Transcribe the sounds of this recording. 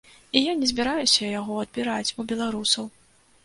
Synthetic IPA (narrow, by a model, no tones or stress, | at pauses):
ijanʲɛzʲbʲiɾajusʲɐjaɣɔɐd̪̚bʲiɾat͡sʲubʲɛlˠaɾusɐw